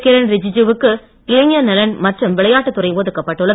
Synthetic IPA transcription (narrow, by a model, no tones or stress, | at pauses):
kɪɾɐnɾɪd͡ʒɪd͡ʒuʋɯkːɯ | kɪeːɲjɐnɛlɐnmɐʈrɯmʋɪɭɐjaːʈːɯt̪ːʊrɐɪpoːðɯkːɐpːɐːʈːɯɭːɐ